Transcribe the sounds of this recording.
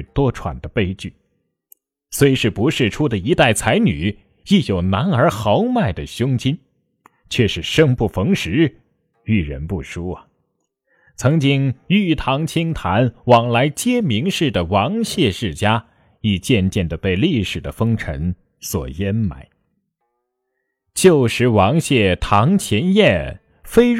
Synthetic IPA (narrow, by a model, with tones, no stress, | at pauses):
t̪wɔ˥ʈ͡ʂʰwa̰˨˩nd̪ə˦pe˥˧ɪt͡ɕy˥˩ | swe˧˥ɪ˧ʂɻ̩˥˩pu˧˥ʂɻ̩˥˩ʈ͡ʂʰu˥d̪ə˨i˧˥t̪a˥˩ɪt͡sʰa˧˥ɪny̰˨˩˦ | i˥˩jo˨˩ʊna˧˥nə˞˧˥xɑ˧˥ʊma˥˩ɪd̪ə˩ɕjʊ˥ŋt͡ɕi˥n | t͡ɕʰɥɛ˥˧ʂɻ̩˥˩ʂɤ˥ŋpu˥˩fɤ˧˥ŋʂɻ̩˧˥ | y˥˩ɻə̰˧˥npu˥˩ʂu˥ɐ˨ | t͡sʰɤ˧˥ŋt͡ɕi˥ŋy˥˩t̪ʰɑ˧˥ŋt͡ɕʰi˥ŋt̪ʰa˧˥nwɑ˨˩ŋla˧˥ɪt͡ɕjɛ˥mi˧˥ŋʂɻ̩˥˩d̪ə˩wɑ˧˥ŋɕjɛ˥˧ʂɻ̩˥˩t͡ɕja˥ | i˨˩t͡ɕjɛ˥˧nt͡ɕjɛ˥˩nd̪ə˩pe˥˧ɪli˥˩ʂɻ̩˨˩d̪ə˦fɤ˥ŋʈ͡ʂʰə̰˧˥n | swɔ̰˨˩jɛ˧˥nma̰˨˩˦ɪ | t͡ɕjo˥˩ʊʂɻ̩˧˥wɑ˧˥ŋɕjɛ˥˩t̪ʰɑ˧˥ŋt͡ɕʰjɛ˧˥njɛ˥˩n | fe˥ɪ